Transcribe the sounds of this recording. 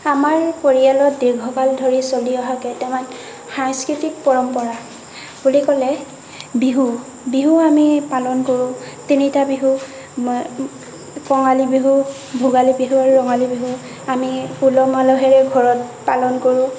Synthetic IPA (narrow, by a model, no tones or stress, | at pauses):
amaɹpoɹialɔtdiɡʱɔkaldʱoɹisoliɔɦakɛtɛman | xajskipʰik̚pɔɹɔmpɔɹa | bulikɔlɛ | biɦu | biɦuamipalɔnkoɹʊ̃ | tinitabiɦu | kɔŋalibiɦu | bʱʊɡalibiɦuaɹuɹɔŋalibiɦu | amipulɔmalɔɦɛɹɛɡʱɔɹɔt̚palɔnkoɹʊ̃